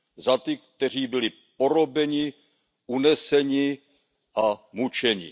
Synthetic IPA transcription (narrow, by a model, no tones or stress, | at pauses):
zat̪ɪk̚t̪ɛr̝iːbɪlɪ | po̞ɾo̞bɛɲɪ | ʔunɛsɛɲɪ | ʔamut͡ʃɛɲɪ̰